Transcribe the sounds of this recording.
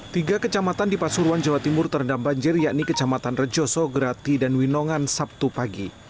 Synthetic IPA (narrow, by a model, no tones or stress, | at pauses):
t̪iɡakət͡ʃamat̪andipasuɾwand͡ʒawat̪imʊrt̪ərəndambaɲd͡ʒɪrjaknikət͡ʃamat̪anrəd͡ʒɔsɔɡəɾat̪idanwinɔŋansap̚t̪upaɡi